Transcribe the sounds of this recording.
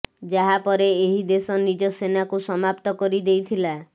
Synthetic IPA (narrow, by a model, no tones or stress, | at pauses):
d͡ʒaɦapɔɾeeɦid̪esɔnid͡ʒɔsenakusɔmapt̪ɔkɔɾid̪ejt̪ʰila